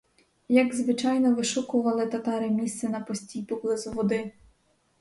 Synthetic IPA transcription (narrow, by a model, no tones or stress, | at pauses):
jɐɡzʋɪt͡ʃɑjnɔʋɪʃʊkʊʋɐlˠɪt̪ɐt̪ɑɾɪmʲist̪sɛnɐpɔsʲtʲijpɔblˠɪzʊʋɔd̪ɪ